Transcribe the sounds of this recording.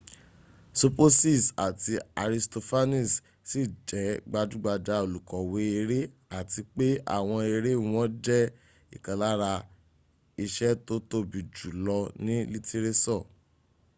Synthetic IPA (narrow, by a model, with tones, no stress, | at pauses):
so˧po˦si˦˨sa˨ti˧a˨ɾi˧sto˧fa˦nĩ˦˨s | si˦˨d͡ʒɛ˨˦ɡ͡ba˧du˨˦ɡ͡ba˧da˧o˨lu˨kɔ˨we˨˦e˧ɾe˦ | a˦˨ti˧k͡pe˦a̰˦˨w̃ɔ̃˧e˧ɾe˦w̃ɔ̃˦d͡ʒɛ˦ | i˨kã˨la˦ɾa˧ | i˧ʃɛ˦to˦to˧bi˨d͡ʒu˨lɔ˧nĩ˦li˦te˧ɾe˦sɔ˦˨